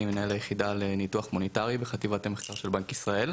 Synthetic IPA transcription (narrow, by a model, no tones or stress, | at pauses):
imenaelajeχid̪alenituaχmonetaʁibeχat̪ivat̪emeχkaʁʃelbaŋkisʁae̞l